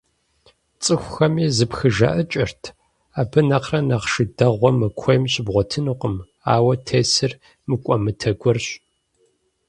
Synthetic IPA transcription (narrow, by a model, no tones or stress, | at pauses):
t͡sʼɨxʷʊxɐmiːzɨpxɨʒɐ̰ʔɐt͡ʃʼɪrtʰ | aːbɨnɐqrɐnɐqʂɨdɐʁʷɔmɨkʷʰɔjmɕɪbʁʷɔtʰɨnɨqʷəm | aːwɐtʰeːsɨr | mɨkʷʼɔmɨtʰɐɡʷɔrɕʼ